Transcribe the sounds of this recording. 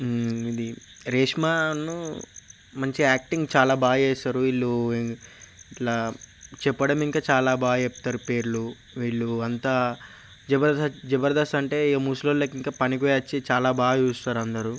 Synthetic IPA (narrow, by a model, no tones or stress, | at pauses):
id̪i | ɾeːʂmanu | mɐɲt͡ʃiaːk̚ʈiŋɡt͡ʃaːlaːbʱaːjeːsaːɾuiɭːu | iʈlaːt͡ʃɛpːɐɽɐmiŋkaːt͡ʃaːlaːbaːɡepːt̪aːɾupe̞ːɾulu | ʋiːɭːuɐnt̪aː | d͡ʒɛbɐɾd̪ɐd͡ʒɛbɐɾd̪ɐsɐɳʈe̞ːmuːsloːlːeːkiŋkaːpɐnikɔjaːt͡ʃːit͡ʃaːlaːbaːɡuːst̪aːɾɐnd̪ɐɾu